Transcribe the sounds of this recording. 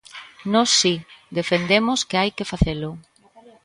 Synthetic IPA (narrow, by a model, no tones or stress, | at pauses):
nɔsːid̪efend̪emʊskeajkɪfaθelʊ